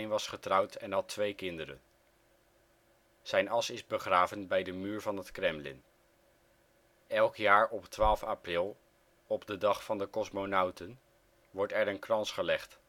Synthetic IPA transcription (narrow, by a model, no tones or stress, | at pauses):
jnʋɑsχətrʌwtɛnɦɑtʋejkɪndəɾə̰n | z̥ɛjnɑsɪzbəχraːvənbɛjdəmyːɹvɑnɦətkrɛmlɪ̰n | ɛlˠkjaːɹɔptʋaːlˠfaprɪlˠ | ɔbdədɑχfɑndəkɔsmonawtən | ʋɔɹtɛɹənkrɑnsχəlɛχt